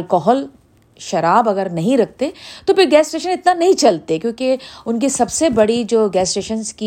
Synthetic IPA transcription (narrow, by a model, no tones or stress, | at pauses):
lkɔːɦɔl | ʃɐɾaːbɐɡəɾnɐɦĩɾɐk̚ʰt̪et̪opɪɾɡɛːsʈeːʃənɪt̪nanɐɦĩt͡ʃɐlt̪ekjõːkeʊnkisɐbsebɐɽid͡ʒoːɡɛːsʈeːʃənzki